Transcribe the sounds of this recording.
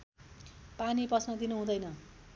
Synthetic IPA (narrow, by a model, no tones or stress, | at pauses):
panipʌsnʌd̪inuɦũd̪ʌjnʌ